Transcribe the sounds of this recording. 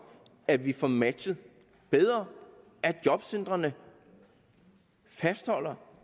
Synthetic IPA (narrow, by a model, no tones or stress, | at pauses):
æʋifɒmæd̥ɕəð̩ˠ | b̥eð̞ˠʁɐ | ʔæd̥jɒ̽b̥send̥ʁɐnə | fæsd̥hɒ̽l̰ɐ